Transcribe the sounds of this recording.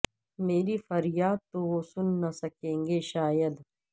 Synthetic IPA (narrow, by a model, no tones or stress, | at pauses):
meːɾifɐɾjaːd̪̚t̪oʋosʊnːasɐkẽːŋɡeʃaːjəd̪